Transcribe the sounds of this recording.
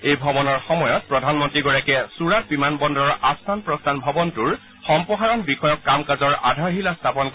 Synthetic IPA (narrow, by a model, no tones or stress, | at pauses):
ejbʱɔbɔnɔɹxɔmɔjɔt̚pɹɔdʱanmɔntɹiɡɔɹakɛsuɹat̚bimanbɔndɔɹastʰanpɹɔstʰanbʱɔbɔntuɹ | xɔmpɔɦaɹɔnbixɔjɔkːamkazɔɹa̰dʱaɹɦilastʰapɔnk